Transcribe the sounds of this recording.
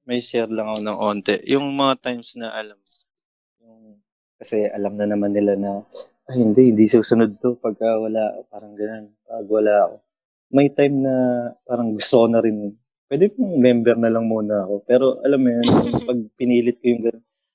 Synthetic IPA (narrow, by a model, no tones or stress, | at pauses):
mɐjʃɛɾlɐŋɐko̞nɐŋʔo̞ːnt̪ɛjʊŋmɐŋat̪ajmsnɐʔɐlam | jʊŋ | kɐsɛʔɐlɐmnɐnɐmanːɪlanɐ | ʔɐjhɪnd̪ɛhɪnd̪isuːsʊnod̪̚t̪o̞pɐɡ̚kɐwɐlaːɐko̞̰paːɾɐŋɡɐnonpɐɡwɐlaːɐko̞ | mɐjt̪ajmnɐpaːɾɐŋɡʊst̪okonɐɾɪn | pwɛːd̪ɪpʊŋmɛmbɛɾnɐlɐŋmuːnɐːko̞pɛːɾo̞ʔɐ̰lamːjonpɐɡ̚pɪniːlɪt̪̚kojʊŋɡɐnon